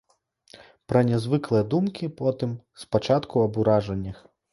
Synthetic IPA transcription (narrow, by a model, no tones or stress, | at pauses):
pɾɐnʲɛzvɨklˠɨjɐd̪umkʲipɔt̪ɨm | spat͡ʂat̪kʰuɐbuɾaʐɐnʲːɐx